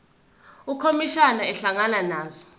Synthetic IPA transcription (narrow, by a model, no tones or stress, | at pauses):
ukʰomiʃanaɛɬaŋananaːzɔ